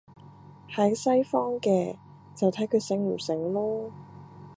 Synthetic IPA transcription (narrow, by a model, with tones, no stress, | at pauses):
hɐ˨˥jsɐ˥jfɔː˥ŋkɛː˧ | t͡sɐ˨wt̪ʰɐ˨˥jkʰɵ˨˧sɪ˨˥ŋm̩˨˩sɪ˨˥ŋlɔː˥